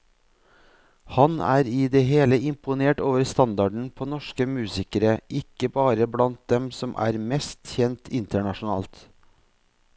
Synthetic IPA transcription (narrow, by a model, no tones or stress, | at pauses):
hɑnæ̰ːɾɪːd̪eːɦeːləɪmpʊneːʈoːʋəɾst̪ɑnd̪ɑɖɳ̩pʰoːnɔʂkəmʉːsɪkəɾəʔɪkːəbɑːɾəblɑnt̪̚d̪ɛmsɔmʔæ̰ːɾmɛst̪çɛnt̪ʰɪnt̪əɳɑʂʊnɑ̰ːlt̪